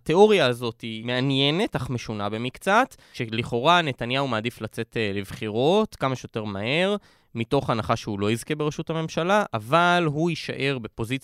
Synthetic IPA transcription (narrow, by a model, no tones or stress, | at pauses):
t̪e̞o̞ʁjaːzo̞time̞anjene̞taχme̞ʃunabe̞mikt͡sat̪ | ʃeliχo̞ʁane̞tanjaumaːd̪iflat͡se̞tlevχiʁo̞t̪kamaʃejote̞ʁmahe̞ʁ | mito̞χanaχaʃehulo̞izkebe̞ʁeʃuthame̞mʃalaʔavalɦuiʃa̰ʔe̞ʁbe̞po̞zit͡s